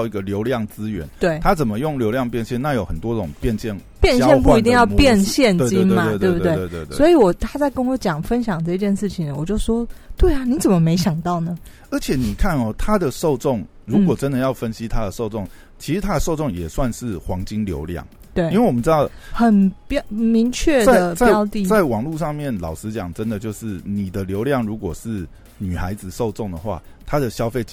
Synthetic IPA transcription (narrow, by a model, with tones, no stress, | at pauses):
ʊi˦˥ɡə˨ljo˧˥ʊljɑ˥˩ŋt͡sɹ̩˦˥ɥɛ̰˧˦nt̪we˥˩ɪtʰa˦˥t͡sə˨˩mə˦jʊ˥˩ŋljo˧˥ʊljɑ˥˧ŋpjɛ˥˧nɕjɛ˥˧na˥˩jo˨ʊxə˨˩nt̪wɔ˦˥ʈ͡ʂʊ˨˩ŋpjɛ˥˧nɕjɛ˥˩n | pjɛ˥nɕjɛ˥npu˥˨i˧t̪i˥˧ŋjɑ˥˧ʊpjɛ˥˨nɕjɛ˥˨ne˥˧t͡ɕi˥n˥˧ma˨˧e˥˧t̪we˥˧˩bu˧t̪t̪e˥˩˧e˧t̪e˥˧˨swɔ˧˥i˨wɔ˨˩t̪ʰa˥t͡sa˥˩ɪkə˦nwɔ˨˩˦t͡ɕjɑ˨˩ŋfə˦˥nɕjɑ˨˩ŋʈ͡ʂɤ˥˧i˧t͡ɕjɛ˥˧nʂɻ̩˥˩t͡ɕʰi˨˩ŋə˨wɔ˨˩t͡ɕjo˥˩ʊʂwɔ˥t̪we˥˩a˩ni˧˥t͡sə˨˩mə˦me˧˥ɪɕjɑ˨˩ŋt̪ɑ˥˩ʊnə˩ | ə˞˧˥t͡ɕʰjɛ˨˦ni˨˩kʰa˥˩nɔ˨t̪ʰa˦˥d̪ə˨ʂo˥˧ʊʈ͡ʂʊ˥˩ŋ | ɻu˧˥kwɔ˨˩ʈ͡ʂə˦nd̪ə˨jɑ˥˩ʊfə˦˥nɕi˦˥t̪ʰa˥d̪ə˨ʂo˥˧ʊt͡so˥˩ŋ | t͡ɕʰi˧˥ʂɻ̩˧˥t̪ʰa˥d̪ə˨so˥˧ʊt͡sʊ˥˨ŋjɛ˨˩swa˥˧nʂɻ̩˥˩xwɑ˧˥ŋt͡ɕi˦ŋljo̰˧˥ʊljɑ̰˥˩ŋwe˥˩i˥nwe˥˩wɔ˨mə˧ʈ͡ʂɻ̩˥d̪ɑ˥˩ʊxə˨˩npjmi˧˥ŋt͡ɕʰɥɛ˥˩a˥dɪə˨t͡sa˥˩ɑ˥˧ʊt̪i˥˨t͡sa˥˩ɪwɑ˨˩ŋlu˥˧ʂɑ˥˧ŋmjɛ˥˨nlɑ̰˨˩ʊʂɻ̩˧˥t͡ɕjɑ˨˩ŋʈ͡ʂə˦nd̪ə˨t͡ɕjo˥˧ʊʂɻ̩˥˩ni˨˩d̪ə˦ljo˧˥ʊljɑ˥˩ŋɻu˧˥kwɔ˨˩ʂɻ̩˥˩ | ny˨˩xa˧˦˥ɪd͡z̩˨ʂo˥˧ʊt͡so˥˩ŋd̪ə˩xwa̰˥˩t̪ʰa˥d̪ə˨ɕjɑ˥ʊfe˥˩ɪ